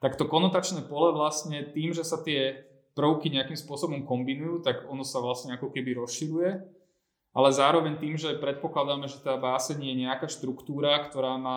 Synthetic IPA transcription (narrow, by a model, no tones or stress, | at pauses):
t̪akt̪ɔkɔnɔt̪at͡ʃnɛːpɔlɛʋlasɲɛt̪iːmʒɛsat̪ɪɛ | pɾʊkiɲɛakimspʊɔsɔbɔmkɔmbinujuːt̪aɡɔnɔsaʋlasɲɛakɔkɛbiɾɔsʃiɾujɛ | ʔa̰lɛzaːɾɔʋɛɲt̪iːmʒɛpɾɛt̪̚pɔklad̪aːmɛʒɛt̪aːbaːsɛɲjɛɲɛakaːʃt̪ɾukt̪uːɾakt̪ɔɾaːmaː